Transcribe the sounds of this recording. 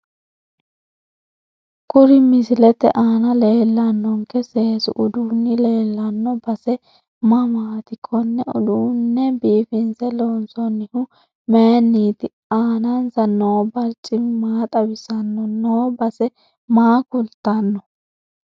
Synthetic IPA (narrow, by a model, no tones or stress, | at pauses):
kʊɾɪmɪsɪlɛt̪ɛ̰ʔaːnɐle̞ːlːɐnːɔŋkɛseːsʊ̰ʔʊd̪uːnːɪle̞ːlːɐnːɔbɐsɛ | mɐmaːt̪ɪkʰːɔnːɛʊ̰d̪uːnːɛbiːfɪnsɛloːnsɔnːɪhʊ | menːiːt̪ɪ | aːnɐnsɐnːɔwbɐɾt͡ʃʼːɪmaːt̪ʼɐbɪsɐnːɔnobɐsɛ | maːkʊlt̪ːɐnːɔ